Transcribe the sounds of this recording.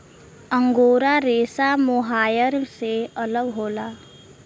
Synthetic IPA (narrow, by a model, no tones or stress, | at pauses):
ə̃ŋɡoːɾaɾeːsamʊɦaːjəɾseələɡɦoːlaː